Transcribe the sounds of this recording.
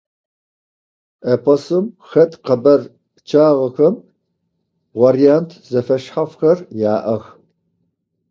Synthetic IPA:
ʔepʰɐsɨmxɐtʼqɐbɐr | t͡ʃʰaːʁɐxɐm | vaɾijantʰzɐfɐʃħafxɐrjaːʔɐx

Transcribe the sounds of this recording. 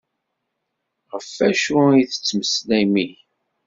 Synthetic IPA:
ʁəfːæʃuijθə̥t͡sːməslæmi

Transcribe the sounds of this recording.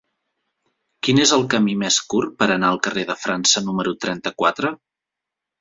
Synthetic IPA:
kinezəlˠkəmimeskurpəɾənaəlˠkəreðəfɾansənuməɾut̪ɾɛnt̪əkwat̪ɾə

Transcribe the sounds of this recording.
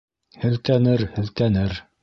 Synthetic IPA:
hɘ̆lt̪ænɘɾhɘ̆lt̪ænɘɾ

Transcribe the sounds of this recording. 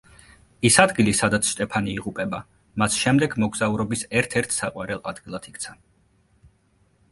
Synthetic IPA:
isad̪ɡilisad̪at̪sʰʃt̪ʼɛpʰaniːʁupʼɛba | masʃɛmd̪ɛɡmɔɡzauɾɔbisɛɾt̪ʰɛɾt̪ʰsaqʼwaɾɛlˠʔad̪̥ɡilˠat̪ʰik̚ʰt̪sʰa

